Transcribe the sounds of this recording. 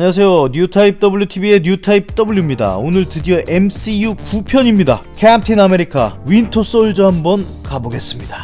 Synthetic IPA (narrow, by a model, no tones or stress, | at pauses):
ɲas̬ʰe̞joɲutʰaip̚t͈ʌbɯɭjutʰibie̞ɲjutʰaip̚t͈ʌbuɭːumɲida̰onɯɭtɯdijʌʔems͈ʰijukupʰjʌɲimɲida̰kʰamtʰiname̞ɾikʰawintʰos͈ʌɭd͡ʑoɦambʌn | kaboɡe̞s͈ɯmɲid̥a